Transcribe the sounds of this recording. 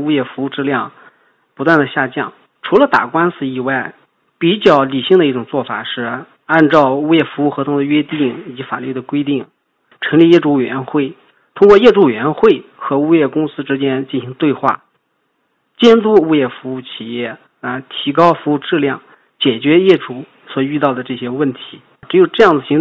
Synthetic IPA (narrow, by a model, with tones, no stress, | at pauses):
u˥jɛ˥˩fu˧˥u˥˧ʈ͡ʂɻ̩˥˧ljɑ˥˧ŋ | pu˧˥t̪wa˥˩nd̪ə˩ɕja˥˧t͡ɕjɑ˥˩ŋ | ʈ͡ʂʰu˧˥lə˧t̪a̰˨˩kwa˥nsɹ̩˧˩i˨˩wa˥˩ɪ | pi˨˧˩t͡ɕjɑ˥˩ʊli˨˩ɕi˥˩ŋd̪ə˩i˥˩ʈ͡ʂʊ˨˩ŋt͡swɔ˥˩fa̰˨˩ʂɻ̩˥˧ | a˥˧nʈ͡ʂɑ˥˩˧ʊu˥jɛ˥˩fu˧˥u˥˩xɤ˧˥t̪ʰŋd̪ə˧ɥɛ˥t̪i˥˩ŋi˨˩t͡ɕi˧˥fa̰˨˩ly˥˩d̪ə˩kwe˥ɪt̪i˥˩ŋ | ʈ͡ʂʰɤ˧˥ŋli˥˧jɛ˥˩ʈ͡ʂu˥˩˨ɥɛ˧˥nxwe˥˩ɪ | t̪ʰʊ˥ŋkwɔ˥˧jɛ˥˧ʈ͡ʂu˥˩ɥɛ˧˥nxwe˥˩ɪxɤ˧˥u˥jɛ˥˩kʊ˥ŋsɹ̩˥ʈ͡ʂɻ̩˥t͡ɕjɛ˥nt͡ɕi˥˩nɕi˧˥ŋt̪we˥˧ɪxwa̰˥˩ | t͡ɕjɛ˥nt̪u˥˧u˥jɛ˥˩fu˧˥u˥˩t͡ɕʰi˨˩jɛ˥˩ | ə˧t̪ʰi˧˥kɑ˥ʊfu˧˥u˥˧ʈ͡ʂɻ̩˥˧ljɑ˥˩ŋ | t͡ɕjɛ˨˩t͡ɕɥɛ˧˥jɛ˥˩ʈ͡ʂu˧˥ | swɔ˨˩y˥˧t̪ɑ˥˩ʊd̪ə˩ʈ͡ʂɤ˥˩ɕjɛ˥wə˥˩nt̪ʰi̥˧˥ | ʈ͡ʂɻ̩˧˥jo˨˩ʈ͡ʂɤ˥˧jɑ˥˩ŋd͡zɹ̩˩ɕi˧˥ŋ